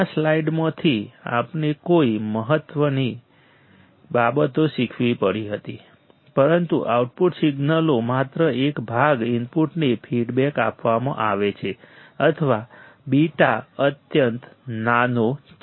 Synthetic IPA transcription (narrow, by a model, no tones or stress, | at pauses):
aslaiɖmãt̪ʰia̰pnekoiməɦət̪ʋəni | babət̪oʃikʰʋipəɽiɦət̪i | pəɾənt̪ṵʔa̰uʈpuʈsiɡnəlomat̪ɾəʔekbʱaɡɪmpuʈnefʰiɖbɛka̰pʋamã̰ʔaʋet͡ʃʰeət̪ʰəʋabiʈaət̪jənt̪nano